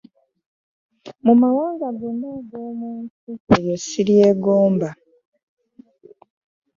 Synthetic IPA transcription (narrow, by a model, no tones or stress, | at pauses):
mumawaːŋɡaɡonoɡoːmuːntiejosiɾije̞ːɡoːmba